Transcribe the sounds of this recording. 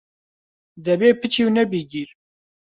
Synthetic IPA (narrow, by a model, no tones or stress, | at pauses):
ðæbepət͡ʃiwnæbiɡiɾ